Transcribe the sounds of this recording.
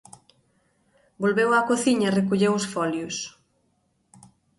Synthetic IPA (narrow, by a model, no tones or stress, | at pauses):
bolβewakoθiɲɐrekuʎewʊsfɔljʊs